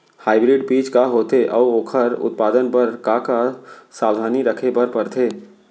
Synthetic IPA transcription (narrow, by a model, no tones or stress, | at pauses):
haːɪbɾɪɖpiːt͡ʃkaɦoːt̪eʔɔːoːkʰəɾʊ̰t̪̚paːd̪ənpəɾkakasaːwd̪ʱaːniɾəkʰepəɾpəɾt̪ʰeː